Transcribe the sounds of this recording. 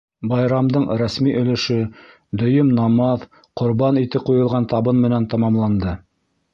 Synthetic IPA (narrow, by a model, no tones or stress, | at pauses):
bɑjɾɑmd̪ɤɴɾæsmiʔɵ̆lɘ̆ʃɵ | d̪ɵ̆jɵmnɑmɑð | qŏɾβɑnit̪ɘqujɤ̆lˠʁɑnt̪ɑβɤnmɘ̆nænt̪ɑmɑmlˠɑnd̪ɤ